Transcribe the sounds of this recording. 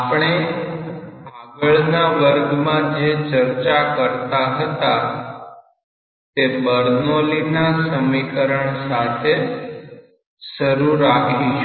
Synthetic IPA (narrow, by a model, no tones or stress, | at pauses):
apɳ̃e | bʱaɡəɭnaʋəɾɡmãd͡ʒet͡ʃəɾt͡ʃakəɾt̪aɦət̪a | t̪ebəɾnolinasəmikəɾəɳsat̪ʰe | səɾuɾakʰiʃ